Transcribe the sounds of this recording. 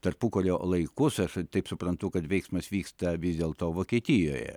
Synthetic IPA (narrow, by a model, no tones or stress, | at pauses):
t̪ɐrpʊkoːlʲoːlˠɐɪkʊsɐʃt̪ɐɪpsʊpɾɐnt̪ʊkɐt̪ʋʲɛɪksmɐsʋʲiːkst̪ɐʋʲɪzʲd̪ʲeːlˠt̪oːʋoːkʲiɛt̪ʲɪjo̰ːjɛ̰